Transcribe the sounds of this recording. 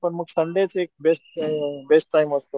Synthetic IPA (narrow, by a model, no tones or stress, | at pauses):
pəɾmukʰsəɳɖet͡sʰeːk̚besʈbesʈːaiməst̪o